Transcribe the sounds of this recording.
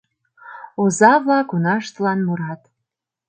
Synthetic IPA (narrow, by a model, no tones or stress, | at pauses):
ozɑβlɑkonɑʃt̪lɑnmuɾɑt̪